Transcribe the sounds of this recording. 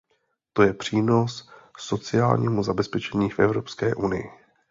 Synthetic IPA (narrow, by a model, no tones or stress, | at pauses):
t̪o̞jɛpr̝̥iːno̞sːo̞t͡sɪjaːlɲiːmuzabɛspɛt͡ʃɛɲiːfʔɛvɾo̞pskɛːʔunɪjɪ̰